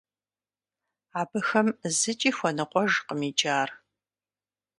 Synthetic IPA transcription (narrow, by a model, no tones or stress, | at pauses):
aːbɨxɐmzɨt͡ʃʼiːxʷɔnɨqʷɔʒqəmid͡ʒʼaːr